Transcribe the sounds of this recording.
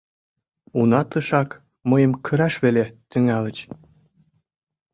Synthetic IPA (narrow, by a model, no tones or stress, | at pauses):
unɑt̪lɤ̆ʃɑk | mɤjə̆mkʰə̆ɾɑʃβelet̪yŋælə̆t͡ɕ